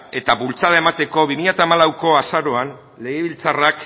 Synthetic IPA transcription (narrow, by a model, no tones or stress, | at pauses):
e̞t̪aβult͡saðae̞mat̪e̞ko̞βimiʎat̪aːmalawko̞asaɾo̞an | le̞ɣeβilt͡sarak